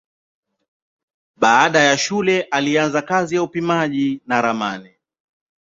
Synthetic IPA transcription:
ɓaːɗajaʃulɛʔalianzakazijaupimaʄinaɾama̰ni

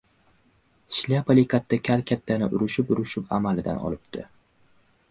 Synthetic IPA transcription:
ʃlʲapʰalikʰat̪ʰːakʲʰalkʲʰat̪ʰːanɪʔʊɾʊʃɪpʊɾʊʃɪpʰa̰malɪd̪a̰nɒ̰lɪp̚t̪ʰɪ

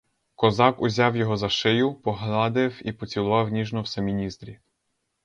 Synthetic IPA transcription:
kɔzɑkʊzʲɑwjɔɦɔzɐʃɪjʊpɔɦlʲˠɑd̪ɪwipɔt͡sʲilˠʋɑwnʲiʒnɔwsɛmʲinʲist̪ɾʲi

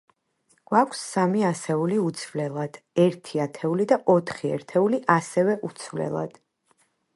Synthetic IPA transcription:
ɡ̥wakʷʰsamiasɛuliut̪sʰvlɛlˠad̪̥ɛɾt̪ʰiat̪ʰɛulid̪aʔɔt̪ʰχiɛ̰ɾt̪ʰɛuliʔasɛvɛʔut̪sʰvlɛ̰lˠa̰d̪̥

